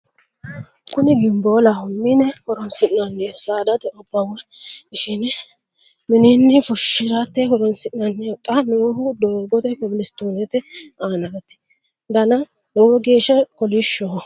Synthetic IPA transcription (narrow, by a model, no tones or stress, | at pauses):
kʊnɪɡɪmboːlahʊmːinɛhɔɾɔnsɪʔnɐnːɛjɔsaːd̪ɐt̪ɛʔɔbːawɐɪʃinɛ | mɪnɪnːɪfʊʃːɪɾat̪ːɛɦɔɾɔnsɪʔnɐnːɛt̪ʼːɐnohʊd̪oːɡɔt̪ɛkɔbɪlɪst̪uːnɛt̪ɛaːnɐt̪ːɛ̥ | d̪ɐnɐ | nɔwɔɡeːʃɛkɔlɪʃːɔ